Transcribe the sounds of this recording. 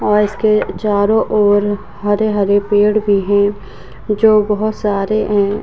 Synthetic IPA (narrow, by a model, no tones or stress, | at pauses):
ɔːɾɪsket͡ʃaːɾõʔɔːɾ | ɦɐɾeɦɐɾepeːɽbʱiɦɛ̃ː | d͡ʒoːbɐɦʊt̪saːɾeɦɛ̃ː